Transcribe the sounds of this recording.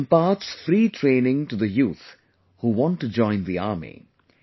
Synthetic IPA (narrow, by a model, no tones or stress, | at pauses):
mpaːtsfɾiːʈʰɾẽɪnɪ̃ŋʈuðəjuːθ | huwɔ̃ntːud͡ʒɔ̃ɪ̃nðiaːmḭ